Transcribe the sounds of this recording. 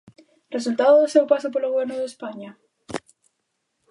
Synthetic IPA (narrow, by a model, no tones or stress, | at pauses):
re̞s̬ult̪aðoðesewpasop̬oɾloɣβjeɾnoðespaɲa